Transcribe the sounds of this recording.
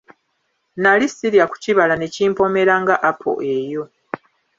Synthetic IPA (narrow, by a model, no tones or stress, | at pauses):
nalisiɾjaku̥ciβalane̞ciːmpo̞me̞ɾaŋɡaʔapʰo̞̰ʔe̞jo̞